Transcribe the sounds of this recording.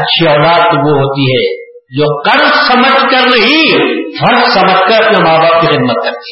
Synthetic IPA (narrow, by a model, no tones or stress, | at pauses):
ɐtːʃʰiɔːlaːt̪oʋoɦoːt̪iɦɛː | d͡ʒoːqɐɾzsɐməd͡ʒkɐɾnɐɦifʰɐ̃ɾzsɐməd͡ʒkɐɾɐpnemaːbaːb̚kixɪd̪̚mət̪̚kɐɾt̪i̥